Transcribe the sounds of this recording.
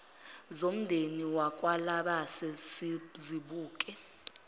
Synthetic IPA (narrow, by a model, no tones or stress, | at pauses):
zom̩ndʱeniwakʼwalaɓasesziɓuːkʼɛ